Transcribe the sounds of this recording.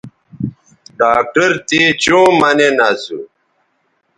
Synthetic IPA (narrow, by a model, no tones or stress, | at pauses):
ɖaːk̚ʈəɾt̪it͡ɕũːmɐnenasu